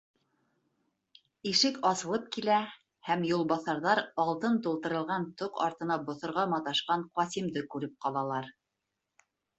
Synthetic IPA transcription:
iʃɘkɑsɤ̆lˠɤp̚kilæ | hæmjulˠbɑθɑɾðɑɾɑlˠt̪ɤnt̪ulˠt̪ɤ̆ɾɤ̆lˠʁɑnt̪oqɑ̰ɾt̪ɤ̆nɑbŏθŏɾʁɑmɑt̪ɑʃqɑɴqɒsimd̪ɘkʉɾɘp̚qɑlˠɑlˠɑɾ

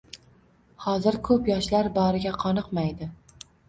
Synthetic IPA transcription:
hɒzɪɾkʰɵpjɒʃlaɾbɒɾɪɡʲaqʰɒnɨqmajd̪ɪ

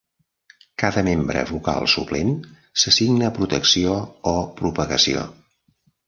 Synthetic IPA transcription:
kaðəmembɾə̰βuka̰lˠsuplem | səsiɡnəpɾut̪əksioːpɾupəɣəsio̰

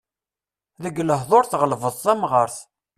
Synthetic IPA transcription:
ðəɡləɦðˤoɾθʁəlvəðˤθæmʁəɾθ

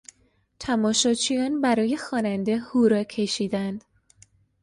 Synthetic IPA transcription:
t̪ʰæmɒːʃɒːt͡ʃʰijɒːnbæɾɒːje̞xɒːnænd̪e̞huɾɒcʰe̞ʃiːd̪ænd̪̥

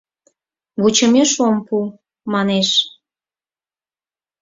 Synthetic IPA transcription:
βut͡ɕə̆meʃompu | mɑneʃ

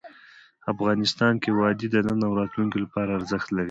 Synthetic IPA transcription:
afɣɑnɪst̪ɑnkewɑd̪id̪ənənawɾɑt̪luŋkolapɑɾaːɾzəxt̪laɾi

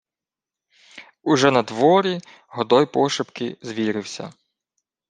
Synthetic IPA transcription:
uʒɛnɐd̪ʋɔɾʲi | ɦɔd̪ɔjpɔʃɪpkɪzʋʲiɾɪwsʲɐ̰

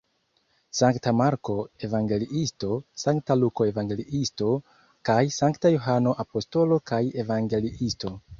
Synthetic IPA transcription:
saŋktamaɾko̞e̞vaŋɡe̞liʔisto̞saŋktaluko̞e̞vaŋɡe̞liʔisto̞ | kajsaŋktajoɦano̞ʔapo̞sto̞lo̞kaje̞vaŋɡe̞liʔisto̞

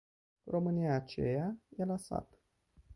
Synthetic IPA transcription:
ro̞mɨnijaːt͡ʃejajelasa̰t̪

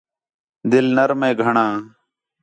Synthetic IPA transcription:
d̪ɪlnəɾmẽːɡʱəɳãː

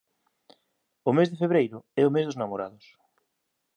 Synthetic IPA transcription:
ʊmezðɪfeβɾejɾʊɛʊmezðʊznamoɾa̰ðʊs

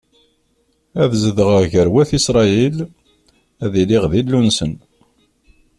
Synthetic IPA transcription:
æðzəðəʁəʁʝəɾwæθisɾˤɑil | æðiliʁðilːunsən

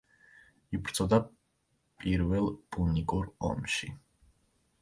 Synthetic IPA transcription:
ipʰɾt̪sʰʼɔd̪a | pʼiɾvɛlˠbunikʼuɾɔ̰mʃi

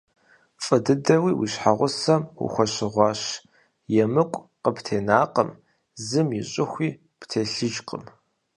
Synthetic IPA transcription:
fʼɐdɨdɐwiːwḭɕħaʁʷʊsɐmwḭxʷɐɕɪʁʷɑːɕ | jɛmɨkʷʼqəptʰeːnaːqəm | zɨmjɪɕʼɪxʷiː | ptʰeːɬɨʒqə̰m

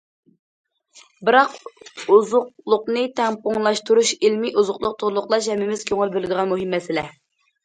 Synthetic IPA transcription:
bɨɾɑquzʊq̚lˠʊqnɨt̪ʰɛmpoŋlˠɑʃt̪uɾuʃilmiʔuzʊqlˠʊq̚t̪ʰʊɾlˠʊqlˠɑʃhɛmːɪmɪz̥kʲʰøŋɨlbɪlɪd̪ɨʁɑnmuɦɨmːɛsɪlɛ

